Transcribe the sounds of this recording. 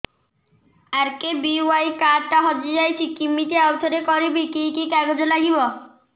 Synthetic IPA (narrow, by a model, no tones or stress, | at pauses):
aɾkebiuajkaɖʈːaɦɔd͡ʑid͡ʑajt͡ɕʰikimːiʈeawt̪ʰoɾekɔɾibikikikaɡod͡ʑolaɡibɔ